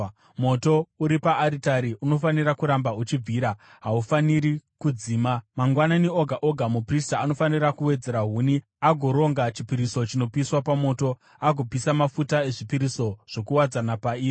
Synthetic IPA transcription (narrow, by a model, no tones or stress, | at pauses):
mo̞to̞uɾipaʔːɾitaɾiʔuno̞faniɾakuɾambaut͡ʃib͡vʱiːɾa | ɦaufaniɾikud͡ziːmamaŋɡwananioɡʱaʔoɡʱamupristaːno̞fanirakuwe̞d͡ze̞ɾaɦuːni | aɡʱo̞ɾo̞ŋɡat͡ʃipiɾiso̞t͡ʃino̞piswapamo̞ːto̞ | aɡʱo̞pisamafutae̞ʐipiɾiso̞ʐ̥o̞kuwad͡zanapaiː